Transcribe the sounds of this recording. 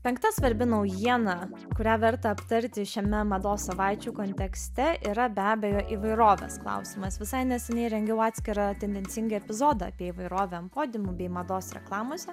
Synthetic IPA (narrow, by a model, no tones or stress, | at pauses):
pʲɛŋkt̪ɐsʋɐɾʲbʲɪnɐʊjiɛnɑ | kʊɾʲæːʋʲɐɾt̪ɐɐpt̪ɐɾʲt̪ʲɪʃʲɛmʲɛmɐd̪oːssɐʋɑɪt͡ʃʲukoːnʲt̪ʲɛksʲt̪ʲɛiːɾɐbʲæːbʲɛjoːʔiʋɐɪɾoːʋʲḛːsklˠɐ̰ʊsʲɪmɐsʋʲɪsɐɪnʲɛsʲɛnʲɛɪɾʲɛŋʲɡʲɛʊɑːt̪ʲsʲkʲɪɾɑt̪ʲɛnʲd̪ʲɛnʲsʲɪŋɡɐɛpʲɪzoːd̪ɑ̰ːpʲiɛiʋɐɪɾoːʋʲɛɐmpoːd̪ʲɪmʊbʲɛɪmɐd̪oːsɾʲɛ̰klˠɑːmoːsʲɛ